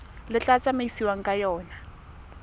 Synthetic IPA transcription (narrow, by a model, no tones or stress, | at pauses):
lɪt͡ɬʼat͡sʼamaisiwaŋ̩kʼajɔːna